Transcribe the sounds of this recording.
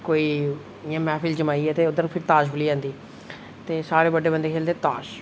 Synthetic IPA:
koːiː | ɪãːmɛːpʰɪld͡ʒəmaːiːɛːt̪eːʊd̪əɾpʰɪɾt̪aːʃkʰʊliːãːnd̪iː | t̪eːsaːɾeːbəɖeːbənd̪eːkʰeːld̪eːt̪aːʃ

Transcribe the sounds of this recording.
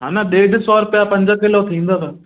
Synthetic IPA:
ɦaːnaɗeːɖʱsɔːɾpjapɐ̃ɲd͡ʑəkɪlot̪ʰĩːnd̪oːt̪a

